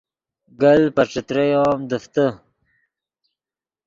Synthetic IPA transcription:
ɡalpaʈ͡ʂɪt̪ɾejɑːmd̪əft̪ə

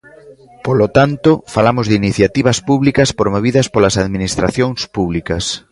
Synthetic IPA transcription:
polot̪ant̪ofalamozðiniθjat̪iβ̞ɐspuβlikɐspɾomoβ̞iðɐspolasaðminist̪ɾa̰θjoŋspuβlikɐs

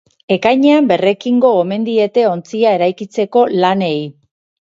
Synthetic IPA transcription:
e̞kajɲe̞ambe̞re̞kiŋɡo̞ome̞nd̪ie̞t̪e̞o̞nt͡siae̞ɾajkit͡se̞ko̞lane̞j

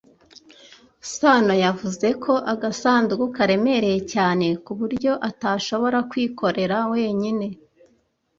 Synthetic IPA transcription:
sanojavuze̞kʰo̞ʔaɡasaːnzɡukaɾe̞me̞ɾe̞jecaːne̞kuβuɾɟo̞ʔataʃo̞βo̞ɾakwiːkʰo̞ɾe̞ɾawe̞ːɲine̞

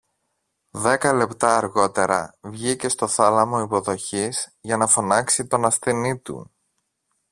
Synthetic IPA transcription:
ðe̞kɐle̞pt̪ɐːɾɣo̞t̪e̞ɾɐ̰vʝice̞st̪o̞θɐlɐmo̞ipo̞ðo̞çizʝɐnɐfo̞nɐksit̪o̞nɐsθenit̪ṵ

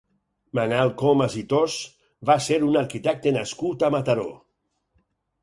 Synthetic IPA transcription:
manalˠkomazit̪os | baseɾunaɾkit̪ɛk̚t̪enaskut̪amat̪aɾo̰

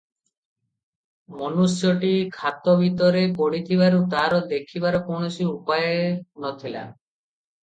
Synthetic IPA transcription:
mɔnusjɔʈikʰat̪ɔbʱit̪ɔɾepoɽit̪ʰiβaɾut̪aɾɔd̪ekʰibaɾɔkonɔsʰiupajenɔt̪ʰila̰

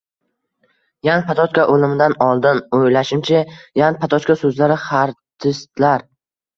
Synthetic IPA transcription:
janpʰat̪ʰɒt͡ʃkʲaʔolɪmɪd̪anɒlˠd̪ɪnojlaʃɪmt͡ʃʰajanpʰat̪ʰɒt͡ʃkʲasɵzlaɾɪχaɾt̪ʰɪst̪laɾ

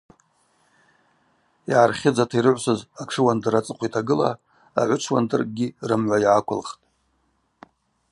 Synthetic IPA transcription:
jaarχʲɪd͡zatʰaiɾɨʕʷsɨzakʂʰɨwandɨrat͡sʼɨqʷʰitʰaɡɨla̰ | a̰ʕʷʊʈ͡ʂʰwa̰ndɨrʼɡʲirɨmʕʷajakʷʰʊlχtʼ

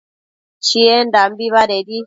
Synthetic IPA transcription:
t͡ʃiɛndambiβaɗedi

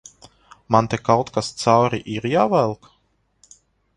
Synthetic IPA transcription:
mant̪ekawt̪kast̪sawɾiʔiɾjaːvælˠk

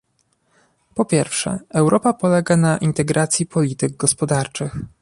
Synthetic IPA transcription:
pɔpʲjɛɾfʂɛ̰ɛwɾʔɔpapɔlɛɡanaʔint̪ɛɡɾat̪sʲjipʰɔlʲit̪ɘɡ̚ɡɔspɔd̪aɾt͡ʂɘx

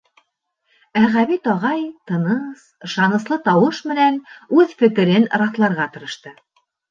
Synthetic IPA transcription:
æʁæβit̪ɑʁɑjt̪ɤ̆nɤs | ʃɑnɤ̆slˠɤt̪ɑwɤʃmɘ̆nænʉðfɘ̆kɘ̆ɾɘnɾɑθlˠɑɾʁɑt̪ɤ̆ɾɤ̆ʃt̪ɤ

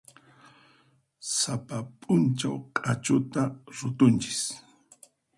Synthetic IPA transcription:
sapapʼʊnt͡ʃawkʼat͡ʃʊt̪aɾʊt̪ʊnt͡ʃɪ̥s

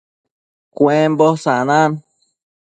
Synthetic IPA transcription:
kwembosanãn

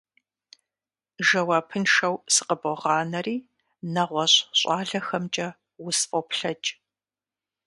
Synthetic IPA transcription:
ʒɐwɑːpʰɨnʃɐwsɨ̥qəboʁɑːnɐriː | nɐʁʷɔɕɕʼɑːɮɐxɐmt͡ʃʼɐ | wʊsfʼopɬɐt͡ʃʼ

